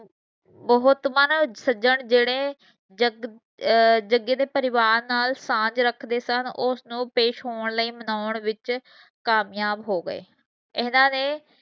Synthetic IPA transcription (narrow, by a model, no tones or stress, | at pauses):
bəɦʊt̪mənsəd͡ʒəɳd͡ʒeːɽeː | d͡ʒəɡ | d͡ʒəɡːeːd̪eːpəɾɪʋaːɾnaːlsãːd͡ʒɾəkʰd̪eːsənʊsnũːpeːʃɦoːɳləiːmənaːʊəɳʋɪt͡ʃ | kaːmjaːbɦoːɡəḛː | ɪnãːneː